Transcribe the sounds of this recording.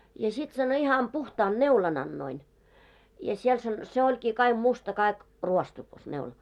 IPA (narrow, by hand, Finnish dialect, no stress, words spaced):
jɑ sit sɑno ihɑm puhtɑːn neulɑn ɑnːoin jɑ siel sɑn se olʲkiː kɑiɡ̊ mustɑ kɑik ruostukɑs neulɑ